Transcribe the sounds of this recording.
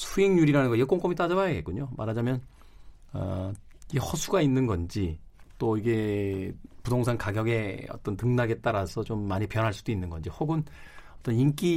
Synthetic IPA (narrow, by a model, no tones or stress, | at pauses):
sʰuiŋɲuɾiɾanɯnɡʌjʌk͈oŋk͈omit͈ad͡ʑabajaɡet̚k͈uɲoma̰ɾɦad͡ʑamjʌn | ʌ̰iehʌsʰuɡainːɯnɡʌnd͡ʑit͈oiɡe̞ | pudoŋsʰaŋkaɡjʌɡe̞ʌ̰t͈ʌntɯŋnaɡe̞t͈aɾasʰʌt͡ɕomːaɲipjʌnɦaɭs͈ud̥oinːɯnɡʌnd͡ʑihoɡɯnʌt͈ʌnink͈i